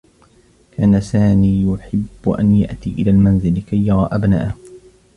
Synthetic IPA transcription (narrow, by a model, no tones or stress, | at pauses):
kaːnasaːmiːjʊħɪbːʊʔa̰nja̰ʔt̪iːʔɪlaːlmanzɪlkajːɑɾˤɑːʔabna̰ːʔh